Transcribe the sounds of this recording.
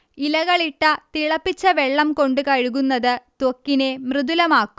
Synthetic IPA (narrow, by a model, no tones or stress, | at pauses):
ilɐɣɐɭiʈːɐt̪iɭɐpːit͡ɕːɐʋeɭːɐmko̞ɳɖɨkɐɻuɣunːɐðɨt̪okːine̞mrɨðulɐmaːkːum